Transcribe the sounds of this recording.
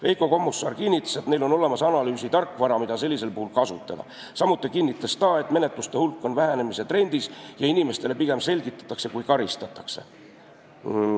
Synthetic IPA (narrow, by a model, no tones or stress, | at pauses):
ve̞jko̞ko̞mːusːɑːrkinːit̪ːˑɑ̥set̪ne̞jlo̞no̞le̞mɑsɑnɑlyːsit̪ɑrkːˑvɑɾɑmid̪̥ɑse̞lʲːise̞lpuhulkɑsut̪ːˑɑd̪̥ɑ̰ | sɑmut̪ːˑikinːit̪ˑːɑst̪ɑːe̞t̪ˑme̞ne̞t̪ˑlust̪e̞hulkːˑo̞nvæɦæne̞mise̞t̪re̞nʲd̪̥isjɑinime̞st̪e̞le̞piɡ̥e̞mse̞lʲɡ̥it̪ːˑɑ̥t̪ːˑɑkse̞kujkɑɾist̪ɑt̪ːˑɑkse̞